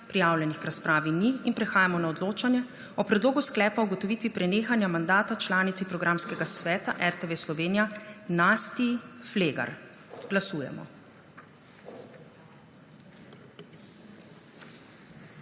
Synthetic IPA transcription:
pɾijaːwlʲɛnixkɾaspɾaːʋiniːnpɾɛxaːjamɔnaɔd̪loːt͡ʃanjɛ | ɔpɾɛd̪loːɡusklɛːpauɡɔt̪ɔʋiːt̪ʋipɾɛneːxanjamand̪aːt̪at͡ʃlaːnit̪sipɾɔɡɾamskɛɡasʋɛːt̪aʔɛɾt̪eʋeslɔʋeːnijanast̪ifleːɡa̰ɾ | ɡ̥lasuːjɛ̰mɔ̰

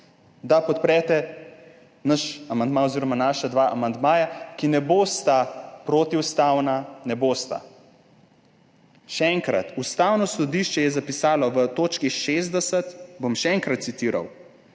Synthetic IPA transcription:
d̪apɔt̪̚pɾɛːt̪ɛ | nəʃamand̪maoziːɾɔmanaːʃad̪ʋaʔamand̪maːjakinɛboːst̪apɾoːt̪iust̪aːwnanɛboːst̪a̰ | ʃɛɛŋkɾa̰t̪ust̪aːwnɔsɔd̪iʃt͡ʃɛjɛzapisaːlɔʋət̪oːt͡ʃkiʃeːzd̪ɛsɛt̪bomʃɛɛŋkɾat̪̚sit̪iːɾa̰w

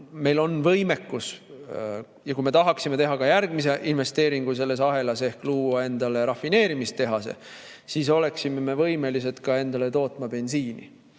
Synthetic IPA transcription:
me̞jlo̞nvɤjme̞kːus | jɑkujme̞t̪ɑɦɑksime̞t̪e̞ɦɑkɑjærɡ̥mis̬e̞ʔinve̞st̪e̞ːɾiŋɡ̥us̬e̞lːe̞s̬ɑɦe̞lɑse̞hkluːɑe̞nd̪ɑle̞ɾɑfine̞ːɾimist̪t̪e̞ɦɑsḛ | siso̞le̞ksimeme̞vɤjme̞liset̪kɑe̞nd̪̥ɑle̞t̪o̞ːt̪ˑmɑpe̞nsiːnḭ

